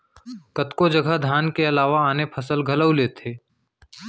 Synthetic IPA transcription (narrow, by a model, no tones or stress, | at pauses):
kɐt̪kod͡ʒɐɡʱəd̪ʱjaːnkeɐlaːʋaaːnepʰɐsəlɡʱɐləwleːt̪ʰeː